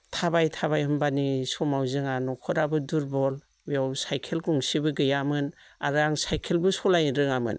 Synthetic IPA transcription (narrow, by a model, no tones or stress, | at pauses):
tʰabajtʰaβajhɯmbanisɔmawzɯŋanɔkʰɔɾabɯduɾbɔl | bijawsajkʰelkuŋsibɯɡɯjamɯn | aɾɯaŋsajkʰelbɯsɔlajɾɯŋamɯ̰n